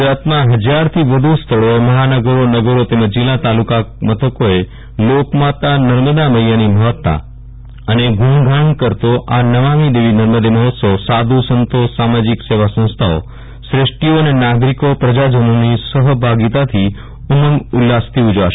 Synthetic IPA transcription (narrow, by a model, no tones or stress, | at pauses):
ɡd͡ʒɾat̪mãɦəd͡ʒaɾt̪ʰiʋəd̪ʱust̪ʰəɭoeməɦanəɡəɾonəɡəɾot̪eməd͡ʒd͡ʒɪlat̪alukamət̪ʰəkoe | lokmat̪anəɾməd̪aməjjaniməɦət̪ːa̰ | əneɡʱuɳɡʱaɳkəɾt̪oʔanəʋamid̪eʋinəɾməd̪eməɦot̪səʋsad̪ʱusənt̪osamad͡ʒikseʋasə̃w̃st̪ʰao̰ | sɾɪʂʈioənenaɡɾikopɾəd͡ʒad͡ʒənonisəɦbʱaɡit̪at̪ʰi | uməŋɡulːast̪ʰiud͡ʒʋaʃ